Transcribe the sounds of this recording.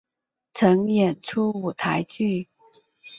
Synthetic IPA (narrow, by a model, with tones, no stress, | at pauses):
t͡sʰɤ˧˥ŋjɛ˨˩nʈ͡ʂʰu˥u˨˩t̪ʰa˧˥ɪt͡ɕy˥˩